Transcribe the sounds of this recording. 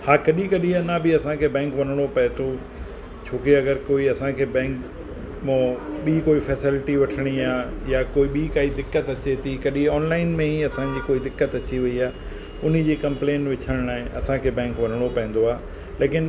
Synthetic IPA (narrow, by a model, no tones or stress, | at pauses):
haːkɐɗĩkɐɗĩanabɪɐsãkʰeːbɛ̃ːŋkʋɐn̤əɽ̃opɐɦɪ̃t̪ʰo | t͡ɕʰoːkeɐɡəɾkoːiɐsãkʰeːbɛ̃ːŋk | mõɓiːkoːifɛːsɪlɪʈiʋɐʈʰɪɽ̃iaːjakoːiɓikaːid̪ɪkːət̪ɐt͡ɕet̪ʰikɐɗĩɔːnlaːɪnmẽiɐsãd͡ʑiːkoːid̪ɪkːət̪ɐt͡ɕiʋɐiaː | ʊn̤ĭd͡ʑiːkɐ̃mplẽːnʈʋɪt͡ɕʰəɽ̃aːɦɪ̃ʔɐsãkʰeːbɛ̃ːŋkʋɐn̤əɽ̃opɐɦɪ̃n̆d̪oaː | leːkɪn